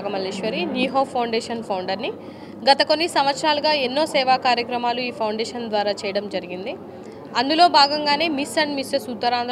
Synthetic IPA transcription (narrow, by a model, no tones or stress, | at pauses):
ɡɐmɐliʂʋɐɾiniːɦoːpʰɐwɳɖeːʂɐnpʰɐwɳɖɐɾni | ɡɐt̪ɐko̞nːisɐmʋɐt̪sɾaːlɐɡaːenːo̞ːsɛːʋaːkaːɾjɐkɾɐmaːluiːpʰɐwɳɖɛːʂɐnd̪ʋaːɾaːt͡ʃɛːjɐɽɐmd͡ʒɐɾiɡind̪i | ɐnd̪ulo̞ːbʱaːɡɐŋɡaːne̞ːmisːɐɳɖmisesut̪ːɐɾaːnd̪ɾ